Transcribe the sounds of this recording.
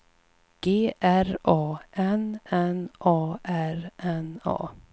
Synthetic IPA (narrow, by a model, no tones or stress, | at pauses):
ɡ̥eːʔæɾɑːʔɛnɛnʔɑːʔæɾʔɛnɑ̰ː